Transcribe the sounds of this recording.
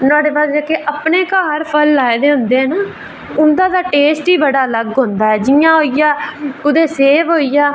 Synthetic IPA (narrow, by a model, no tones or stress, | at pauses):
nãːɖeːbaːsd͡ʒaːkeːʔəpɳeːkaːɦəɾpʰəlːaːeːd̪eːɦʊ̃nd̪eːɦɛːnaː | ʊnd̪ãːd̪aːʈeːsʈiːbəɽaːləɡɦõnd̪aːɦɛːd͡ʒɪjãːɦoːijaːʊd̪eːseːʋɦoːiːjaː